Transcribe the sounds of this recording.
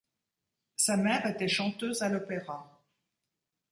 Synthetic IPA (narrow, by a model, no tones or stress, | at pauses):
samɛʁet̪ɛʃɑ̃t̪øzalɔpeʁa